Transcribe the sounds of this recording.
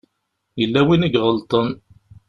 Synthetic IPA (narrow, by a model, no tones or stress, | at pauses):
jəlːæwinəɡʁəlt̪ˤən